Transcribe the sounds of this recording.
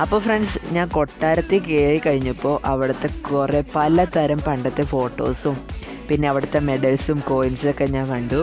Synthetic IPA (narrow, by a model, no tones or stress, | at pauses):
ɐpːo̞ːfreɳɖsɲaːnko̞ʈːaːɾɐt̪ːikeːɻikɐɻiɲːupːo̞ːʔɐʋiɽɐt̪ːe̞kkurepɐlɐt̪ɐɾɐmpɐɳɖɐt̪ːefo̞ːʈːo̞̰ːsum | pinːe̞ɐʋiɽɐt̪ːe̞me̞ɖɐlsumkoːjinsokːeɲaːŋkɐɳɖu